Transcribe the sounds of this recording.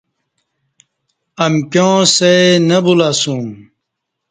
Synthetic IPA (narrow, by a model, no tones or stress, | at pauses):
ɐmkjõːsenɐbulaːsũm